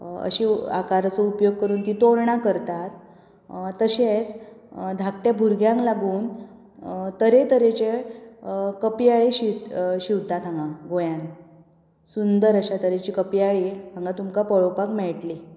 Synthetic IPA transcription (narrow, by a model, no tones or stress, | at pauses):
ə̰ɕiːa̰kaɾt͡sɔupjoɡ̚kəɾuːnt̪iːt̪oɾɳakəɾt̪at̪ | t̪ːəɕet͡sd̪ʱak̚t̪jabʱuɾɡjãŋklaɡuːn | t̪əɾet̪əɾet͡ɕe | kəpijaɭiɕit̪ɕiwt̪at̪ʰãŋɡãɡojãn | sund̪əɾəɕat̪əɾet͡ɕiːkəpijaɭiɦãŋɡat̪umkapəɭopakmɛɭʈli